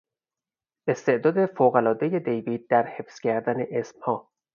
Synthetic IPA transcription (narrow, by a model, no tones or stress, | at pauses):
est̪eʔd̪ɒːd̪e̞foːɣælɒːd̪ejed̪ejviːd̪̚ːæɾhefscʰæɾd̪æneʔesmhɒː